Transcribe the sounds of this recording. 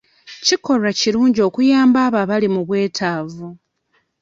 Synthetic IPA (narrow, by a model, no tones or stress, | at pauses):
ciko̞raciɾuːɲɟio̞ːkujaːmbaːβaːβalimuβwe̞ːtʰaːvu